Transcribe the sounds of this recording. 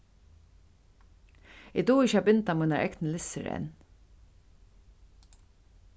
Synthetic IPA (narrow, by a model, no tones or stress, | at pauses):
ɪd̪uːɪçəaːbɪnt̪amɔjnaɹʔɛ̰knəlɪsə̰ɾɛ̰n